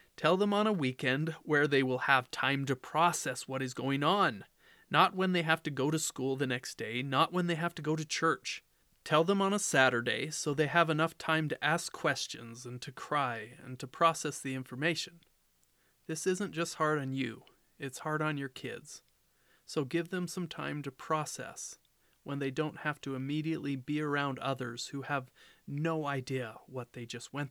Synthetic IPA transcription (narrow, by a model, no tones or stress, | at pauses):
tʰɛlˠðə̃mə̃nəwikɛ̃ndwə˞ðeɪwɪlˠəv̥tʰãɪ̃mtɨpʰɹ̥ɔsɛswʌɾɨzɡoʊɪ̃ŋə̃nː | ət̚wə̃nðeɪɦæftɨɡoʊɾɨskulˠðɨnɛksd̥eɪnəʔ̚wə̃nðeɪɦæftɨɡoʊɾɨt͡ʃʰɜ˞t͡ʃ | tʰɛlˠðə̃mə̃nəsæɾə˞deɪsoʊðeɪəvənʌftʰãɪ̃mtɨʔæskʰːw̥ɛst͡ʃɨ̰̃nzɨ̃ntʰɨkʰɹ̥aɪɨ̰̃ntʰɨpʰɹ̥ɔsɛsðiɪ̃ɱfə˞meɪʃɨ̃n̩ | ðɪsɪzɨ̃nd̥ʒ̥ʌst̚hɑɹɾn̩jʉ̰ | ɪtshɑɹɾn̩jə˞kʰɪ̰dz̥ | soʊɡɪvðɨ̃msʌ̃mtʰã̰ɪ̃mtɨpʰɹ̥ɔsɛ̰s | wə̃nðeɪdõʊ̃nʔ̚hæftɨɨmiɾiɨʔˡlibiə˞ãʊ̃ndʌðə˞z̥huəvnoʊaɪdiɨwʌt̪̚ðeɪd͡ʒʌst̚wɛ̃n